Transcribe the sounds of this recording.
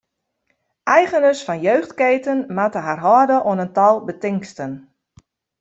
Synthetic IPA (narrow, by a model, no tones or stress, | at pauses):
ʔɛjɣənəsfɔnjøːxtkeːtənmatəɦarɦɔːdəʔoənəntɔlˠbətɪŋstən